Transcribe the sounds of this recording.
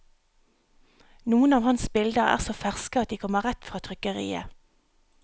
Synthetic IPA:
nuːənɑːʋhɑnsbɪld̪əæ̰ːʁsoːfæʁskəɑt̪̚d̪iːkʰɔməʁɛt̪fʁɑːt̪ʰʁʏkəʁḭːə̰

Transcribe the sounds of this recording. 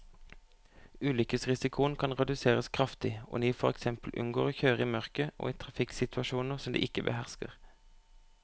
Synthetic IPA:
ʉːlʏkəsʁɪsɪkʰʊnkʰɑnʁɛd̪ʉseːʁəskʰʁɑft̪ɪo̰niːfɔʁɛksɛmpəl̩ʔʉ̰nɡoːʁoːçøːʁəiːmœʁkəʔo̰ːiːt̪ʰʁɑfɪksɪt̪ʰʋɑʃuːnəʁsɔmd̪ḭːʔɪkəbə̰hæʁskə̰ʁ

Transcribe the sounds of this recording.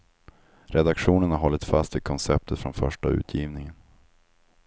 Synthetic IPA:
ɾɛd̪akɧuːnəɳaɦɔlːət̪fast̪ɪkʰɔnsɛp̚t̪ʰət̪fɾɔnfœʂʈaʉ̟ːt̪ʰjiːvnɪŋən

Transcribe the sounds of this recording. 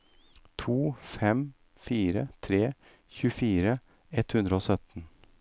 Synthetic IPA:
t̪ʰuːfɛm | fiːɾət̪ʰɾeː | çʉfiːɾə | ɛt̪hʉnd̪ɾəoːsœt̪n̩

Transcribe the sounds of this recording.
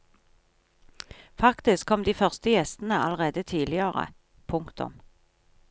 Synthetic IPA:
fɑkt̪ɪskʰːɔmd̪iːfœʁst̪əjɛst̪n̩əɑləʁeːd̪ət̪ʰiːlɪəʁə̰ | pʰʊŋkt̪ʊ̰m

